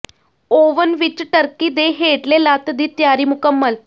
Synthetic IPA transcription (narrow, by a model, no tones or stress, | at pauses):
oʋənʋit͡ɕːʈəɾkiːd̪eɦeʈlelat̪d̪iːt̪jaɾiːmukəmːəl